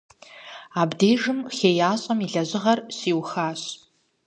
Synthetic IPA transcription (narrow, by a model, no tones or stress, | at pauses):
aːbdeːʐɨmxeːjaːɕʼɐmiɮɐʑɪʁɐrɕiːwxaːɕ